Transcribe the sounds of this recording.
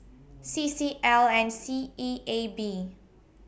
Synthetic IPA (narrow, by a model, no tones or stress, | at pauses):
sisiʔɛlɛ̃nsiiebi